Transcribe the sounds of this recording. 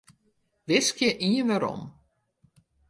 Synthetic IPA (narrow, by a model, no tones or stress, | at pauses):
ʋɪskjəʔiənʋaɾɔ̰m